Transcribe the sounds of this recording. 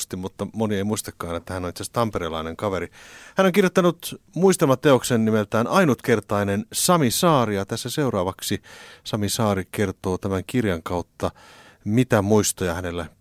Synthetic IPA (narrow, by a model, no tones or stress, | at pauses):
st̪immut̪ːɑmonieimuist̪ɑkːɑːnet̪ːæhænːonit̪sest̪ɑmpeɾelɑineŋkɑʋeɾihænːoŋkirjot̪ːɑnut̪muist̪emɑt̪ːeoksennimelt̪æːnʔɑinut̪kert̪ɑinensɑmisɑːrijɑt̪æsːæseurɑːʋɑksisɑmisɑːrikert̪oːt̪æmæŋkirjɑŋkɑut̪ːɑ | mit̪æmuist̪ojɑhænelːæ